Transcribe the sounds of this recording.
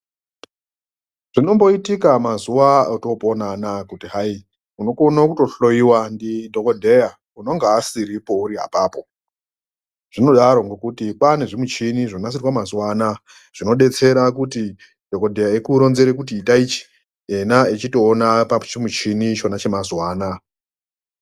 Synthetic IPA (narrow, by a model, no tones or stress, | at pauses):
ʐ̥ino̞mbo̞itikamazuwaoto̞po̞nanakutiɦai | uno̞konakuto̞ɬo̞jiwandidʱo̞kodʱe̞ja | uno̞ŋɡaːsiɾipo̞uɾiɦa̰paːpo̞ | ʐ̥ino̞ɗaɾo̞ŋɡokutikwaneʐimut͡ʃiniʐonas̬irwamazuwaːna | ʐ̥ino̞ɗe̞t͡se̞ɾakuti | dʱo̞ko̞dʱe̞jaekuɾo̞nze̞ɾekutiːtait͡ʃi̥ | enaet͡ʃito̞ːnapat͡ʃimut͡ʃinit͡ʃo̞nat͡ʃe̞mazwaːna